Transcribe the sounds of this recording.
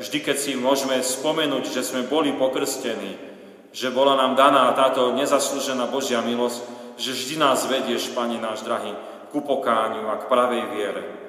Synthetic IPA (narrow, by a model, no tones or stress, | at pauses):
vʒd̪ikɛcsimʊɔʒmɛspɔmɛnuːɟʒɛzmɛbɔlipɔkr̩scɛniː | ʒɛbɔlanaːmd̪anaːt̪aːt̪ɔɲɛzasluʒɛnaːbɔʒɪamilɔscʒɛʒd̪inaːzʋɛɟɪɛʃpaɲɛnaːʒd̪ɾaɦi | kupɔkaːɲuakpɾaʋɛjʋɪɛɾɛ̰